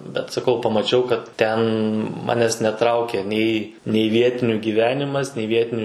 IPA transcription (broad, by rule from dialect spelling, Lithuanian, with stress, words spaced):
bʲɛt sɐˈkɐʊ pɐmɐˈt͡ʃʲɛʊ kɐt ˈtʲɛn ˈmɑːnʲɛs nʲɛˈtrɐʊkʲɛ ˈnʲɛɪ nʲɛɪ ˈʋʲiɛtʲɪnʲʊ ɡʲiːˈʋʲæːnʲɪmɐs nʲɛɪ ˈʋʲiɛtʲɪnʲʊ